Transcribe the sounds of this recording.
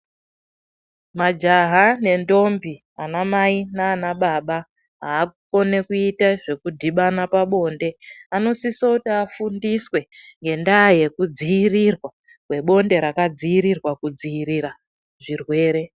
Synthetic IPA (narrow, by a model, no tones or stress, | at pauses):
mad͡ʒaɦane̞ndo̞mbi | anamainaːnaɓaɓa | ɦaːko̞ne̞kuitaʐe̞kudʱiɓanapaɓo̞nde̞ano̞sisoutiafundiswe̞ŋɡe̞ndaje̞kud͡ziirirwa | kwe̞ɓo̞nde̞ɾakad͡ziiɾirwakud͡ziiɾiɾa | ʐirwe̞ːɾe̞